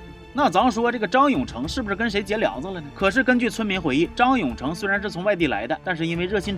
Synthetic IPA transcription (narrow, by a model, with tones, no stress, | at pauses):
na˥˩t͡sɑ˧˥mə˧˩ʂ̬wɔ˥ʈ͡ʂɤ˥˩ɡə˩ʈ͡ʂɑ˥ŋjʊ˨˩ŋʈ͡ʂʰɤ˧˥ŋʂɻ̩˥˩bu˩ʂɻ̩˥˩kə˥nʂe˧˥ɪt͡ɕjɛ˧˥ljɑ̰˨˧˥ŋd͡zə˧lə˨nə˩kʰɤ˨˩ʂ̬ɻ̩˥˩kə˥nt͡ɕy˥˩t͡sʰwə˥nmi˧˥nxwe˧˥ɪi˥˩ʈ͡ʂɑ˥ŋjʊ˨˩ŋʈ͡ʂʰɤ˧˥ŋs̬we˥ɪɻa˧˥nʂɻ̩˥˩t͡sʰʊ˧˥ŋwa˥˧ɪt̪i˥˩la̰˧˥ɪd̪ə˧t̪a˥˧nʂ̬ɻ̩˥˧i˥nwe˥˧ɪɻɤ˥˩ɕʰi˥